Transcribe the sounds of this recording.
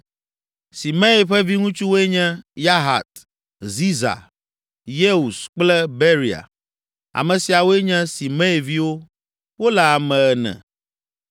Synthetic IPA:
si˨mɛ̃˦i˨ɸɛ˦vi˦ŋũ˦t͡ʃu˦wo˦ɛ˦ɲɛ̃˦ja˦ɦa̰˨t̪ | zi˦za̰˨ | je˦u˨sk͡plɛ˦be˦ɾi˨a̰˨ | a̰˨mɛ̃˨si˨a˨wo˦e˦ɲɛ̃˦si˨mɛ̃˦i˨vi˦wo˦ | wo˦la˨a˨mɛ̃˨ɛ˨nɛ̰̃˨

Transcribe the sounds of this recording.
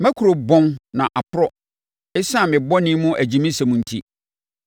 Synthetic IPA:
mæ̃˦kʰu˨ɾo˨bɔ̃˦nnã˨ʔa˨pʰʊ˦ɾɔ˦ | ɛ˦sã˦˨mɪ̃˨bɔ˦nɪ̃˦mʊ̃˦ʔæ˨d͡ʑĩ˨mĩ˦sɛ˨mũ˨n̩˨˦tʰḭ˦

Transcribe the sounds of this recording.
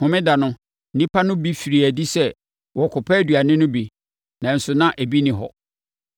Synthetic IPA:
hʊ̃˨mɪ̃˦da˨nʊ̃˦ | n̩˦nĩ˦pʰa˦nʊ̃˦bi˦fi˨ɾi˨æ˨di˦sɛ˦ | wʔɔ˨kʰʊ˨pʰɛ˦dɥa˨nɪ̃˦nʊ̃˦bi˨ | nã˨n̩˨sʊ˨nã˦ʔæ˨bi˦nɪ̃˨ɦɔ̰˨

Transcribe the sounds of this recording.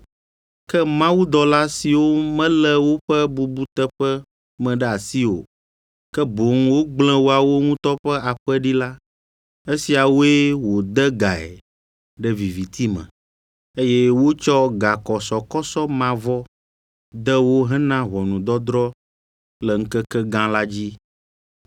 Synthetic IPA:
kɛ˦mã˦wu˦d̪ɔ˨la˦si˨wo˦mɛ̃˦lɛ˦wo˦ɸɛ˦bu˨bu˦t̪ɛ˦ɸɛ˦ | mɛ̃˨ɖɛ˦a˨si˦wo̰˨ | kɛ˦bo˨ŋ˦wo˦ɡ͡blɛ̃˦wo˦a˨wo˦ŋũ˦t̪ɔ˦ɸɛ˦a˨ɸɛ˦ɖi˦la˦ | e˦si˨a˨wo˦e˦wo˨d̪ɛ˦ɡa˨ɛ̰˨ | ɖɛ˦vi˨vi˨t̪ʰi˦mɛ̰̃˨ | e˦jɛ˦wo˦t͡ʃɔ˦ɡa˨kɔ˨sɔ˨kɔ˦sɔ˦mã˨vɔ˦ | d̪ə˦wo˦ɦɛ˦nã˦βɔ˨nũ˨d̪ɔ˦d̪ɾɔ˦ | lɛ˨ŋ̩˦kɛ˦kɛ˦ɡã˦la˦d͡ʑi˦

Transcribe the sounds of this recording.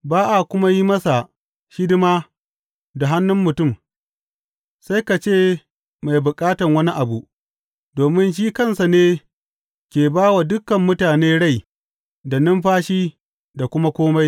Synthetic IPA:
baː˦ʔa˨kʷʊ˦ma˦ji˦mɐ˦sa˨ | ʃɪ˦dɪ˦maː˦ | da˨ɦa˦nːʊ˦mːʊ˨tʊ˦˨m | sa˦jka˨t͡ʃeː˦˨ | ma˨jbʊ˨kʼaː˦tɐ˨ŋwɐ˦ni˦ʔa˨bu˨ʔ | doː˨mɪ˦nʃ̬iː˦kɐ˦nsa˨neː˦ | kʲeː˨baː˦wa˨dʊ˦kːɐ˨mːʊ˦taː˨neː˦ɽa˦˨j | da˨nɪ˦mɸaː˦ʃiː˦ | da˨kʷʊ˦ma˦kʷoː˦ma˦j

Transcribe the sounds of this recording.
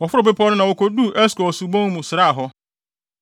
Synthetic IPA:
wɔ˨fʊ˦ɾʊ˨be˦pʰɔ˦nʊ̃˦nã˨wo˨kʰo˨du˦ʔɛ˦skɔ˨su˨bõ˦ŋ˦mũ˨sɪ˨ɾa˦a˨ɦɔ˦

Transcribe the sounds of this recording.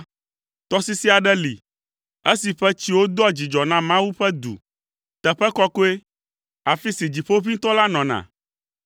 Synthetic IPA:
t̪ɔ˦si˦si˦a˨ɖɛ˦lḭ˨ | e˦si˨ɸɛ˦t͡ɕi˦wo˦d̪ɔ˦a˨d͡ʑi˨d͡ʒɔ˨nã˦mã˦wu˦ɸɛ˦d̪ṵ˨ | t̪ɛ˨ɸɛ˦kɔ˦ko˦e˦ | a˨fi˦si˨d͡ʑi˨ɸo˦vi˦t̪ɔ˦la˦nɔ̃˨nã̰˨

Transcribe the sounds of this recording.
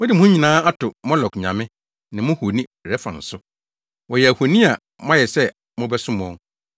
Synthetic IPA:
mʊ̃˦dɪ˨mʊ̃˦ʊ̃˦ɲĩ˨nãː˦a˦tʊ˨mɔ̃˦lɔ˨kɲã̰˨mɪ̃˦ | nɪ̃˨mʊ̃˦hu˨nĩ˦˨ɾɛ˦fã̰˨n̩˨sʊ˦ | wɔ˨jɛ˨æ˨ho˨nĩ˦a˨ | mã˦jɛ˨sɛ˦ | mʊ̃˦bɛ˦sʊ̃˦mɔ̃˦ŋ

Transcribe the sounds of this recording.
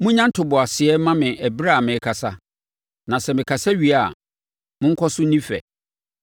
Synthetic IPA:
mʊ̃˦ɲã˦n̩˦tʰʊ˨bʊ˨a˨sɪ˨ɛ˦mã˦mɪ̃˨æ˨bɾa˦˨a˨mɪ̃˨˦kʰa˨sa˦ | nã˨sɛ˨mɪ̃˨kʰa˨sa˦ɥi˨a˨ | mʊ̃˦ŋ̩˦kʰɔ˦sʊ˦nĩ˦fɛ̰˨

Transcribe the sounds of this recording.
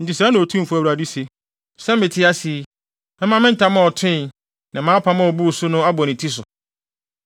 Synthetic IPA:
n̩˨tʰɪ˨sa˦nʊ̃˨tʰũ˦˨fʊ˦æ˨wu˨ɾa˨di˦se˨ | sɛ˦mɪ̃˨tʰɪ˦a˦si˨ | mɛ̃˦mã˦mɪ̃˦n̩˦tʰa˨˦mã˦˨ɔ˨tʰɪ̃˦˨ | nã˨mãː˨˦pʰa˦mã˦ɔ˨bu˦˨sʊ˦nʊ̃˦a˦bɔ˨nɪ̃˨tʰi˦s̬ʊ˨

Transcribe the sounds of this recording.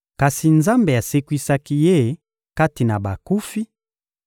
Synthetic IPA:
ka˨si˨nza˦mbe˨a˨se˦kwi˦sa˦ki˦je˦ | ka˦ti˨na˨ba˨ku˦fi˦

